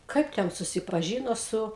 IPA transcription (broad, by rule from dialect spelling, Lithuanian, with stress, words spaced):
ˈkɐɪp tʲɛn sʊsʲɪpɐˈʒʲiːnoː ˈsʊ